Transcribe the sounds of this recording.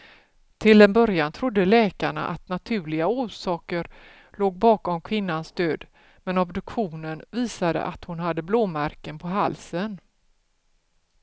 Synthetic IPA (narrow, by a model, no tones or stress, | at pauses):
t̪ʰɪld̪ɛnbœɾjant̪ʰɾʊd̪ːəlɛːkaɳa̰ʔat̪nat̪ʰʉ̟ːɭɪɡauːʂɑːkəɾ | loːɡ̚bɑːkɔmkʰvɪnːansd̪øːd̪ | mɛnɔbd̪ɵkɧuːnənviːsad̪ə̰ʔat̪hʊnɦad̪ːəbloːmaɾkənpʰɔɦa̰lsən